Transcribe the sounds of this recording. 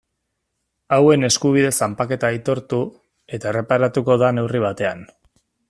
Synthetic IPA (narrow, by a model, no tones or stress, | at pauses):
awe̞ne̞skuβ̞ið̞e̞sampake̞t̪ait̪o̞ɾt̪u | e̞t̪aere̞paɾat̪uko̞ðane̞wriβ̞at̪e̞an